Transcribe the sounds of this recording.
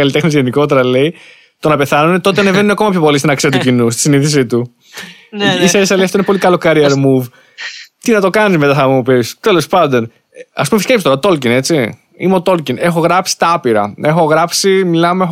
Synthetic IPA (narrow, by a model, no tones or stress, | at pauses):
ɐlit̪e̞xnizʝe̞niko̞t̪̬e̞ɾɐle̞i | t̪o̞nɐpe̞θɐnunet̪o̞t̪eɐnevenuneɐkomɐpçopolist̪inɐksiɐt̪ucinust̪i̥siniθis̬it̪u | isɐesɐleiɐft̪oineo̞likɐlokɐɾiɐɾmuv | t̪inɐt̪o̞kɐnizme̞t̪ɐθɐmmupist̪e̞lo̞spɐnd̪o̞n | ɐspumefiskepist̪oɾɐt̪o̞lcine̞t͡si | imeo̞t̪o̞lcine̞xo̞ɣɾɐpsi̥t̪ɐɐpiɾɐ̰e̞xo̞ɣɾɐpsimilɐmeex